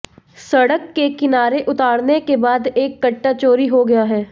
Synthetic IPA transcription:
sɐɽəkːekɪnaːɾeʔʊt̪aːɽnekebaːd̪eːkːɐʈːat͡ʃoːɾiɦoɡɐjaɦɛː

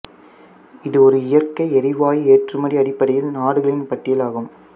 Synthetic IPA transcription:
ɪðɯɔɾɯɪjɐrkɐɪɛɾɪʋaːjieːʈrɯmɐɽiɐɽɪpːɐɽɐjɪlnaːɽɯɣɐɭɪnpɐʈːɪjɐlaːɣɯm

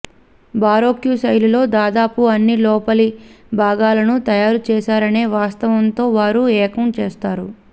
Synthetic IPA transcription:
baːɾo̞ːkjusɐjlulo̞ːd̪aːd̪aːpuɐnːilɔːpɐlibʱaːɡaːlɐnut̪ɐjaːɾut͡ʃɛːʃaːɾɐne̞ːʋaːst̪ɐʋɐnt̪o̞ːʋaːɾuɛːkɐmt͡ʃɛːst̪aːɾu

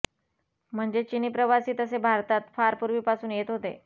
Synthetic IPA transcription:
m̤əɳd͡zet͡ɕiniːpɾəʋasiːt̪əsebʱaɾt̪at̪faɾpuɾʋiːpasuːnjet̪ɦot̪ḛ

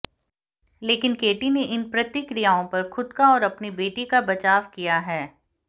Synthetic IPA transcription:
leːkɪnkeːʈineʔɪnpɾɐt̪ɪkɾijaːõpɐɾxʊd̪kaɔːɾɐpnibeːʈikabɐt͡ʃaːʋkijaɦɛː

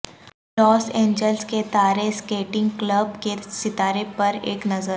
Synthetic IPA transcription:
lɔːsẽːɲd͡ʒəlsket̪aːɾeskeːʈɪ̃ŋɡkləbkesɪt̪aːɾepɐɾḛːknɐzəɾ

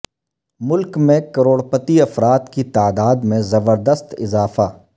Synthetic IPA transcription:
mʊlkmẽkɐɾoːɽpət̪iɐfɾaːt̪kit̪aːd̪aːd̪mẽzɐbəɾd̪əst̪ɪzaːfaː

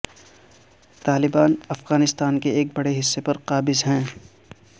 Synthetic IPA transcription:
t̪aːlɪbaːnɐfɣaːnɪst̪aːnkeeːk̚bɐɽeɦɪsːepɐɾqaːbɪzɦɛ̃ː

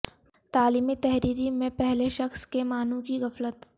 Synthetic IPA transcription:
t̪aːliːmit̪ɛɦɾiːɾimẽpɛɦleʃɐxskemaːnũkiɣɐflət̪

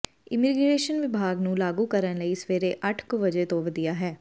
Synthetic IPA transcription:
ɪmiːɡɾeːʃənʋɪbʱaːɡnũːlaːɡuːkəɾənləiːsʋeːɾeːʔəʈʰkʋəd͡ʒeːt̪õːʋəd̪ijaːɦɛː

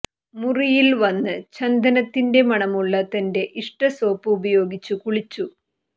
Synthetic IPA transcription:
murijilʋɐnːɨt͡ɕɐnd̪ɐnɐt̪ːinde̞mɐɳɐmuɭːɐt̪ɐnde̞ʔiʂʈɐsoːpːuubɐjo̞ːɡit͡ɕːukuɭit͡ɕːu

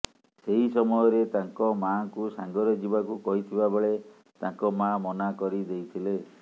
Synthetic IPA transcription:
seɦisɔmɔjɔɾet̪aŋkɔmaŋkusaŋɡɔɾɔd͡ʒibakukɔɦit̪ʰibabeɭe | t̪aŋkɔmãmɔnakɔɾid̪ejt̪ʰile

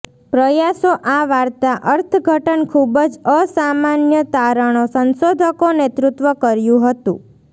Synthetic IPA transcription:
pɾəjasoʔaʋaɾt̪aʔəɾt̪ʰəɡʱəʈənkʰubəd͡ʒəsamanjət̪aɾəɳ̃osənsod̪ʱəkonet̪ɾut̪ʋəkəɾjũɦət̪ṵ̃

